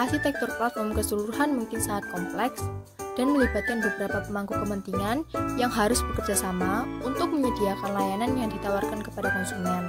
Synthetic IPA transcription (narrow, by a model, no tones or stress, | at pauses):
ʔasit̪ɛk̚t̪ʊrklat̪̚mamkəsəluɾuɦanmuŋkɪnsaŋat̪̚kɔmplɛks | d̥anməlibat̪̚kanbəbəɾapapəmaŋkukəmənt̪iŋanjaŋɦaɾʊsb̥əkərd͡ʒasamaunt̪ʊk̚məɲidiakanlajananjaŋdit̪awarkankəpadakɔnsumiɛn